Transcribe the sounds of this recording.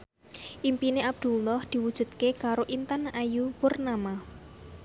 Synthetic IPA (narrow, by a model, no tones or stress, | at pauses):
ʔimpineab̚d̪̥ṳlɔhd̪̥i̤wud̥ʒ̥ṳt̪̚kekaɾoʔint̪anajupʊrnama